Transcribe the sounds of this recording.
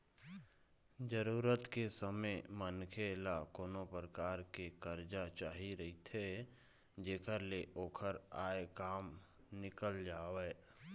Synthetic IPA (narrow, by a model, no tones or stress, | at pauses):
d͡ʒəɾuːɾət̪kesəməmənkʰelakoːnopɾəkaːɾkekəɾd͡ʒat͡ʃaːɦiɾəɦit̪ʰe | d͡ʒeːkəɾleʔoːkʰəɾaːekaːm | nɪkəld͡ʒaːʋɛː